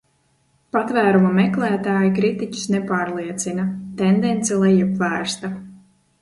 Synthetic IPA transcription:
pat̪væːɾumamɛklˠæːt̪aːjikɾit̪ici̥snɛpaːɾlˠiɛt̪sinat̪end̪ɛnt̪sɛlˠɛjipvæːɾst̪a

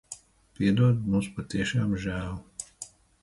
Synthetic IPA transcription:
pʲiɛd̪uɔd̪muːspat̪iɛʃaːmʒæːlu

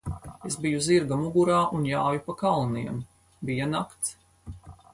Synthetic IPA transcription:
esbijuziɾɡamuɡuɾaːʔunjaːjupakalˠniɛm | bijanakt̪s

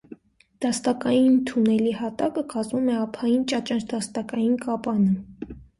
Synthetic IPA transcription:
d̪̥ɑst̪ɑkɑjint̪ʰunɛlihɑt̪ɑkəkɑzmumɛɑpʰɑjint͡ʃɑt͡ʃɑnt͡ʃʰd̪ɑst̪ɑkɑjinkʰɑpɑnə

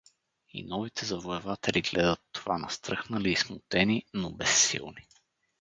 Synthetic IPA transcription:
ḭnɔvit̪ʰɛzɐvoɛvat̪ɛliɡlɛd̪ət̪ːovanɐst̪ɾɤxnəliːsmut̪ɛninobɛsːḭlˠni

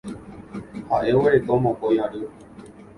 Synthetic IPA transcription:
haʔeweɾekomõkojãɾɨ

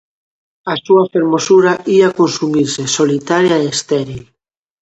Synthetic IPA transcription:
asuafeɾmosuɾaʔiakonsumiɾsesolit̪aɾjaeest̪eɾil

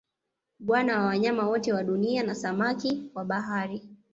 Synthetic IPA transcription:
ɓwanawawaɲamawɔtɛwaɗunianasamakiwaɓaɦaɾi

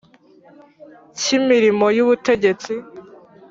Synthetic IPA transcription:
cimiɾimo̞juβute̞ɟe̞t͡si

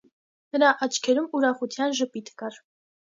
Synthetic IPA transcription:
nəɾɑʔɑt͡ʃʰkʰɛɾumuɾɑχut͡s̪ʰjɑnʒəpit̪ʰkɑɾ

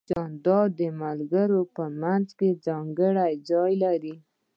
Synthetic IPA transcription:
ɑnd̪ɑd̪əmalɡəɾopəmanzked͡zɑŋɡəɽajd͡zɑjlaɾi

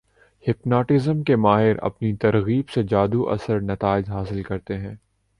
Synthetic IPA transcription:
hɪpnaːʈɪzəmkemaːɦɪɾɐ̰pnit̪ɐɾɣiːbsed͡ʒaːd̪uʔɐ̰səɾnɐt̪aːɪd͡ʒɦaːsɪlkɐɾt̪eɦɛ̃ː

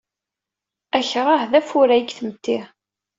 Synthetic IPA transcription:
æçʁɑhðæfʊɾæjiɡθəmət̪ːi

